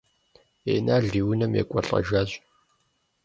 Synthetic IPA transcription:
eːnaːɮiːwʊnɐmjḛːkʷʼɔɬʼɐ̰ʒaːʑ

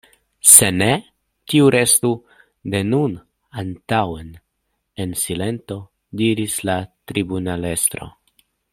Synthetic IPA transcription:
se̞ne̞ | tiuɾe̞st̪u | de̞nun | antawen | ensile̞nt̪o̞ | diɾislat̪ɾibunale̞st̪ɾo̞̰

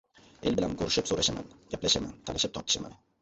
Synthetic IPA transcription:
e̞lbɪla̰nkʰɵɾɪʃɪpsoɾaʃama̰nɡʲaplaʃama̰nt̪ʰalɪʃɪp̚t̪ʰɒɾt̪ɪ̥ʃama̰n

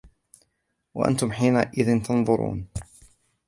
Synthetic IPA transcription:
wa̰ʔa̰nt̪ʊmħiːnaʔɪðɪnt̪ɑnðˤʊɾṵːn

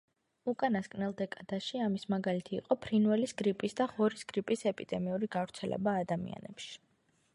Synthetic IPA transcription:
ukʼanaskʼnɛlˠd̪ɛkʼad̪aʃiamismaɡalit̪ʰḭːqʼɔpʰɾinvɛlisɡɾipʼisd̪aʁɔɾisɡɾipʼisɛpʼid̪ɛmiuɾiɡavɾt̪sʰɛlɛ̰baːd̪amḭa̰nɛpʃi̥

